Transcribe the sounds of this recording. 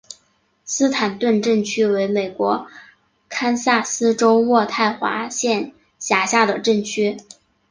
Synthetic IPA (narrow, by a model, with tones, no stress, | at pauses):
sɹ̩˥t̪ʰa˨˩nt̪wə˥˧nʈ͡ʂə˥˩ŋt͡ɕʰy˥we˧˥ɪme˨˩ɪkwɔ˧˥ | kʰa˥nsa˥˩sɹ̩˥ʈ͡ʂo˥ʊwɔ˥˧t̪ʰa˥˩ɪxwa̰˧˥ɕjɛ˥˩n | ɕja˧˥ɕja˥˩d̪ə˩ʈ͡ʂə˥˩ŋt͡ɕʰy˥